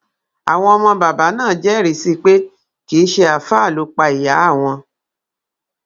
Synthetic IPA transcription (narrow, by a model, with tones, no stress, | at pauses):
a̰˨w̃ɔ̃˧ɔ˧mɔ̃˧ba˨ba˨˦nãː˦˨d͡ʒɛ˨˦˨ɾi˨˦si˦k͡pe˦ | ki˦ʃe˧a˨fa˦˨lo˨˦k͡pa˧i˨ja˨˦a˦˨w̃ɔ̃˧